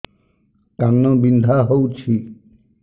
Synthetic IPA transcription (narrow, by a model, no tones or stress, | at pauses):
kanːɔbind̪ʱaɦowt͡ʃʰi